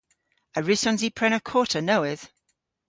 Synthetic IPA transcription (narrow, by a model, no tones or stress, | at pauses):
əɹɪsɔ̃nzipʰɹ̥ɛnəkʰɔːˑtʰənowɪð̥